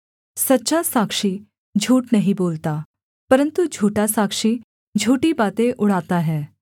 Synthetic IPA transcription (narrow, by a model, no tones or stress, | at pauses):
sɐtːʃasaːkʃi | d͡ʒʱuːʈnɐɦĩboːlt̪aː | pəɾə̃nt̪ud͡ʒʱuːʈasaːkʃi | d͡ʒʱuːʈibaːt̪ẽʔʊɽ̤aːt̪aɦɛː